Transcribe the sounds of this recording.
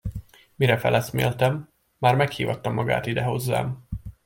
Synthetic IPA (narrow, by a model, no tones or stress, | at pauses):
miɾɛfɛ̰lʔɛsmḛːlt̪ɛmː | aːrmɛkhiːvɒt̪ːɒmːɒɡa̰ːt̪id̪ɛɦo̞zːa̰ːm